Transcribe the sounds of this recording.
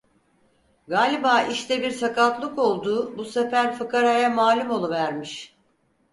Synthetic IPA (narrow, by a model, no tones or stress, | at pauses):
ɡaːlʲibaːʔiʃt̪ʰɛbiɾsakat̪lˠɯko̞lˠd̪uːbusefæɾfɯkaɾajamaːlʲumo̞lˠuvæɾmiʃ